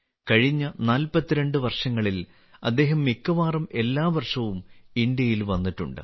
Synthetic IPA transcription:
kɐɻiɲːɐnaːlpɐt̪ːiɾe̞ɳɖɨʋɐrʂɐŋːɐɭil | ɐd̪ːe̞ːɦɐmːikːɐʋaːrɐme̞lːaːʋɐrʂɐʋumind̪jɐjilʋɐnːiʈːṵɳɖɨ̰

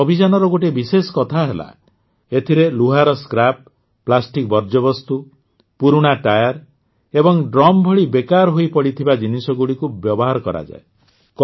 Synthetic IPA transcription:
ɔbʱid͡ʒanɔɾɔɡoʈ̬ebisesɔ̥kɔt̪ʰaɦela̰ | et̪ʰiɾeluɦaɾɔskɾap̚ː | lasʈik̚bɔɾd͡ʒɔbɔst̪u | puɾuɽ̃aʈajaɾ | ebɔŋɖɾɔmbʱɔɭibekaɾɦojpɔɽit̪ʰibad͡ʒinisɔɡuɭikubjɔbɔɦaɾɔkɔɾa̰d͡ʒa̰e | k

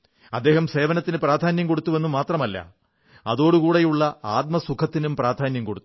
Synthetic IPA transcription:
ɐd̪ːe̞ːɦɐmse̞ːʋɐnɐt̪ːinɨpraːd̪ʱaːnjɐmko̞ɽut̪ːuʋe̞nːumaːt̪rɐmɐlːɐ̰ | ɐðo̞ːɽukuːɽe̞juɭːɐaːt̪̚mɐsukʰɐt̪ːinumpraːd̪ʱaːnjɐmko̞ɽut̪ːu

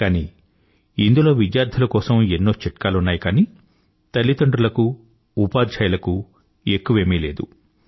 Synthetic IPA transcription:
kaːni | ind̪ulo̞ːʋid̪jaːɾd̪ʰʱɐlɐkɔːsɐmenːo̞ːt͡ʃɛʈkaːlunːaːjikaːni | t̪ɐlːit̪ɐɳɖɾulɐku | upaːd̪d͡ʒʱɐːjɐlɐku | ekːuʋeːmiːle̞ːd̪ṵ

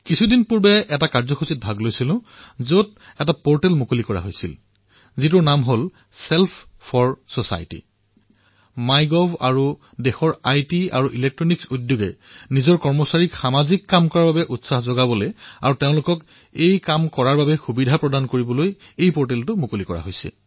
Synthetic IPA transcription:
kisʰudinpuɹbɛɛtakaɹzɔxusit̚bʱaɡlojsilʊ̃zot̚ | ɛtapɔɹtɛlmukolikɔɹa̰ɦojsḭl | zitʊɹnamɦol | sɛlpʰpʰɔɹsɔsa̰jtḭ | majɡɔba̰ɹu | dexɔɹajtia̰ɹuʔilek̚tɹɔniksudjoɡɛ̰nizɔɹkɔɹmɔsaɹikxamazikːamkɔɹaɹbabɛʔutsaxzɔɡabɔlɛa̰ɹuteʊ̃lʊkɔk | ejkamkɔɹaɹbabɛxubidʱapɹɔdankoɹibɔloj | ejpɔɹtɛltʊmukolikɔɹa̰ɦojsɛ̰

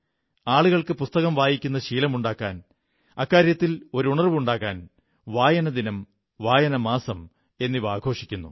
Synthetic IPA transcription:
aːɭuɣɐɭkɨpust̪ɐɣɐmʋaːjikʲːunːɐɕiːlɐmuɳɖaːkːaːn | ɐkːaːɾjɐt̪ːilo̞ɾuɳɐrʋuɳɖaːkːaːn | ʋaːjɐnɐd̪inɐm | ʋaːjɐnɐmaːsɐm | e̞nːiʋaːɡʱo̞ːʂikʲːunːṵ

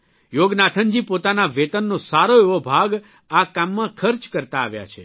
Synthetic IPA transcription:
joɡnat̪ʰənd͡ʒipot̪anaʋet̪ənːosaɾoeʋobʱaɡ | akamːãkʰəɾt͡ʃkəɾt̪aːʋja̰t͡ʃʰe

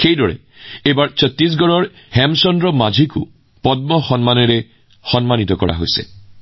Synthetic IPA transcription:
xejdɔɹɛ̰ | ebaɹsɔtːis̬ɡɔɹɔɹ | hɛmsɔndɹɔmad͡ʒʱikʊ̰ | pɔd̚mɔxɔnmanɛɹɛ | xɔnmanitɔkɔɹa̰ɦo̰jsɛ̰

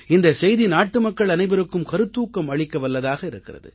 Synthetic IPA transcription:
ɪnd̪ɐsɛjðinaːʈːɯmɐkːɐɭɐnɐɪbɐɾɯkːɯmkɐɾɯt̪ːuːkːɐmɐɭɪkːɐʋɐlːɐðaːɣɐɪɾɯkːɪrɐ̰ðɯ̰

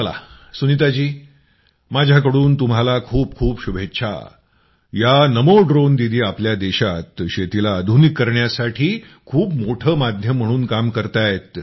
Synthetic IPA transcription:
məla̰sunit̪at͡ɕiː | mad͡ʑʱjakəɽuːnt̪um̤alakʰuːp̚kʰuːpɕubʱet̪ːɕʰa̰ | janəmoɖɾond̪id̪ʱiːapljad̪eɕat̪ɕet̪ilaəd̪ʱunikːəɾɳjasaʈʰiː | kʰuːpmoʈʰəːmad̪ʱjəm̤əɽ̃uːnkamkəɾt̪ajet̪

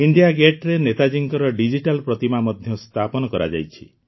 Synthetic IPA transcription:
iɳɖijaɡeʈɾenet̪ad͡ʒiŋkɔɾɔɖid͡ʒiʈalpɾɔt̪imamɔd̪ʱjɔst̪ʰapɔnɔkɔɾa̰d͡ʒa̰jt͡ʃʰi

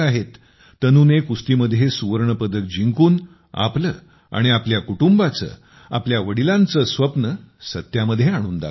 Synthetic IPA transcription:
aɦet̪ː | ənuːnekust̪iməd̪ʱjesuʋəɾɳəpəd̪ək̚d͡ʑiŋkuːn | a̰pləː | a̰ɽ̃iapljakuʈumbat͡sə̰ | a̰pljaʋəɽilãnt͡səsʋəpnəsət̪jaməd̪ʱjeaɽ̃uːnd̪a̰

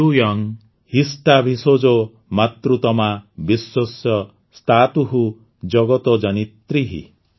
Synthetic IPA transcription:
ujɔŋ | hisʈabʱisod͡ʒɔ | mat̪ɾut̪ɔmabiswosjɔ | st̪ʰat̪uɦu | d͡ʒɔɡɔt̪ɔd͡ʒanit̪ɾiɦḭ

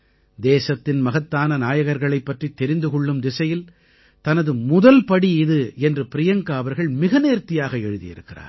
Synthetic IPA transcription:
d̪eːsɐt̪ːɪnmɐɣɐt̪ːaːnɐnaːjɐɣɐɾɣɐɭɐɪpːɐʈrit̪ːɛɾɪnd̪ɯkɔɭːɯmd̪ɪsɐjɪl | t̪ɐnɐðɯmʊðɐlpɐɽiɪðɯɛndrɯpɪɾɪjɐŋkaːʋɐɾɣɐɭmɪɣɐneːɾt̪ːɪjaːɣɐɛɻɯðɪjɪ̰ɾɯkːɪra̰ːɾ

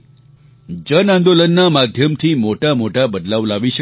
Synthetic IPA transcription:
d͡ʒənãnd̪olənːamad̪ʱjəmt̪ʰiːmoʈamoʈabəd̪laʋlaʋiɕə

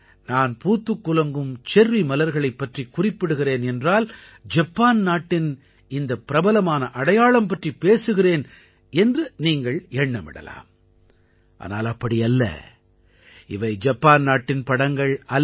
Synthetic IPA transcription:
naːnpuːt̪ːɯkːʊlɐŋɡɯmt͡ʃɛɾʋimɐlɐɾɣɐɭɐɪpːɐʈrikːʊrɪpːɪɽɯɣɪreːnɛndraːl | d͡ʒɐpːaːnnaːʈːɪn | ɪnd̪ɐpɪɾɐbɐlɐmaːnɐʔɐɽɐjaːɭɐmpɐʈripeːsɯɣɪreːn | ɛndrɯniːŋɡɐɭɛɳːɐmɪ̰ɽɐ̰la̰ːm | ʔɐ̰ːð̰na̰ːlɐpːɐɽijɐlːɐ̰ | ɪʋɐɪd͡ʒɐpːaːnnaːʈːɪnpɐɽɐŋɡɐɭɐ

